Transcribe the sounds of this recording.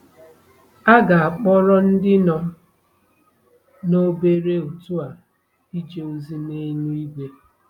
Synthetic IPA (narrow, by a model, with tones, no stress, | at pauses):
a˦ɡa˨a˨k͡pɔ˦ɾɔ˦n̩˦dɪ˦nɔ˨˦ | no˦be˦ɾe˦u˨tu˦a˨ | i˦d͡ʒe˨u˨zi˦ne˦ɲu˦i˦ɡʷe˦